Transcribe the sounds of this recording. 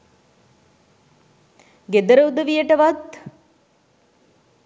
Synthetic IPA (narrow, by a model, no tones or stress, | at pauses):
ɡed̪əɾəwud̪əʋijəʈəʋat̪